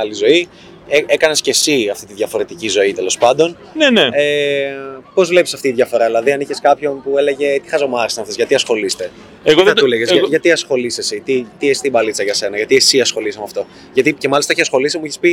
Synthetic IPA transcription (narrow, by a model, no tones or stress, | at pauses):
ɐlizo̞i | eekɐne̞sce̞siɐft̪it̪iðʝɐfo̞ɾe̞t̪icizo̞it̪elo̞spɐnd̪o̞n | nenee | po̞zvle̞pi̥sɐft̪iːðʝɐfo̞ɾɐðilɐðiɐniçeskɐpço̞npue̞le̞ʝe̞t̪i̥xɐzomɐɾisɐnɐft̪e̞zʝɐt̪iɐsxo̞list̪e̞ | eɣoðɐt̪uleɣezɐʝɐt̪iɐsxo̞lisesit̪it̪iest̪ibɐlit͡sɐʝɐse̞nɐʝɐt̪iesiɐsxo̞lisɐmeɐft̪o̞ | ʝɐt̪ice̞mɐlist̪ɐiçisɐsxo̞lisimuiçespi